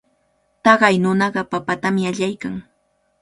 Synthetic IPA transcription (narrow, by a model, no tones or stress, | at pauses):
t̪ɑɢɑjnʊnɑɢɑpapat̪amɪaʎajkaŋ